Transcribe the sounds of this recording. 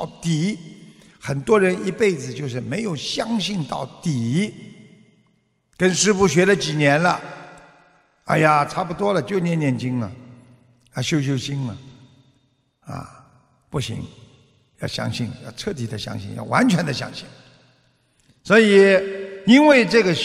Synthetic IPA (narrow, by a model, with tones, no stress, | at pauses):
ʊt̪i˨˩˦ | xə˨˩nt̪wɔ˥ɻə˧˦˥ni˧˥pe˥˩ɪd͡zɹ̩˨˩t͡ɕjo˥˧ʊʂɻ̩˥˩me˧˥ɪjo˨˩ʊɕjɑ˥ŋɕi˥˧ŋt̪ɑ̰˥˩ʊt̪i˨˩˦ | kə˥nʂɻ̩˥pu˥˩ɕ̬ɥɛ˧˥lə˧t͡ɕi˨˩njɛ˧˥nlə˧ | a̰˥˧ɪja˨˩ʈ͡ʂʰa˥˩pu˨˩t̪wɔ˥lə˨t͡ɕjo˥˩ʊnjɛ˧˥njɛ˥˩nt͡ɕi˥ŋɐ̰˨˩ | a˥˧˩ɕjo˥ʊɕ̬jo˥ʊɕi˥ŋɐ̰˨ | ɐ̰˧˩ | pu˥˩ɕḭ˧˥ŋ | jɑ̰˥˩ʊɕjɑ̰˥ŋɕi˥˩ŋjɑ˥˩ʈ͡ʂʰɤ˥˩t̪i˨˩d̪ə˦ɕjɑ̰˥ŋɕḭ˥˩ŋjɑ̰˥˩ʊwa̰˧˥nt͡ɕʰɥɛ˧˥nd̪ə˧˩ɕjɑ̰˥ŋɕi˥˩ŋ | swɔ˧˥i˨˩i˥nwe˥˩ɪʈ͡ʂɤ˥˩ɡə˩